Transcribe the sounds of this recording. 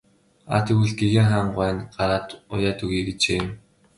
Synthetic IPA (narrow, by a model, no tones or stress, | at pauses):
a̰t̪iɣuɮ̚ɡeɣeːŋχaːɴɢwæːnɢaɾaːt̪ʊ̰jaːt̪uɣiːɡet͡ɕeːm